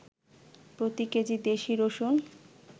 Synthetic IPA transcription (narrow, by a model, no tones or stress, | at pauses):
pɾot̪iked͡ʑid̪eʃiɾoʃon